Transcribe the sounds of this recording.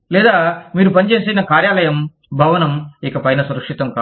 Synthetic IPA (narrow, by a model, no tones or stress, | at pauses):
lɛːd̪aːmiːɾupɐnit͡ʃeːs̬jinɐkaːɾjaːlɐjɐm | bʱɐʋɐnɐmikɐpɐjnɐsuɾɐkʂit̪ɐmkaː